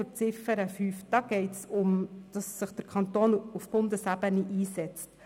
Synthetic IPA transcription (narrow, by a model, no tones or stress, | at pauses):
ɾt͡sɪfəɾəfyːfd̥ɑɡ̥ɛɪtsʊmd̥ɑsːɪχd̥əɾkʰɑnt̪oːnufb̥ʊndəsæbəniʔiːsɛt͡st